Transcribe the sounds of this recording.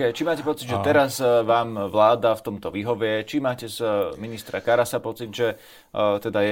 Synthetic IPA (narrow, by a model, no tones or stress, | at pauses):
ɛt͡ʃimaːcɛpɔt͡sid̪ʒɛt̪ɛɾazʋaːmʋlaːd̪aft̪ɔmt̪ɔʋiːɦɔʋɛt͡ʃimaːcɛzminist̪ɾakaɾasapɔt͡sid̪ʒɛ | t̪ɛd̪ajɛ